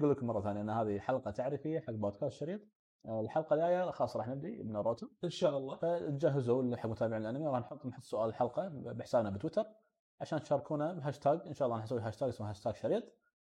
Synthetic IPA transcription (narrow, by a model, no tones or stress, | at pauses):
ɡuːlːəkmɑrˤːɑθaːnjaʔɪnːaɦaːðiħalqɑt̪aʕɾɪfɪjːaħaɡːboːd̪̚kaːst̪ʃɑɾiːt̪ˤ | lħɑlqɑlʔaːjaxɑːsˤːɾˤɑːħnɪb̚d̪ibnaɾˤoːt̪ʊʔɪnʃaːʔlˤːɑfat̪d͡ʒaɦɪzuliħaɡːmʊnt̪aːbɪʕmɪlʔanamjwɾˤɑːħnħʊt̪ˤːnħʊt̪ˤːsʊʔaːllħɑlqɑbɪħsaːbnabɪt̪wɪt̪ɑɾˤ | ʕaʃaːnt̪ʃɑrˤːɑkʰuːnabɦaːʃt̪ʰaːɡʔɪnʃaːʔɑlːɑːnħsawiɦaːʃt̪aːɡsmːaɦaʃt̪aːɡʃɑɾiːt̪ˤ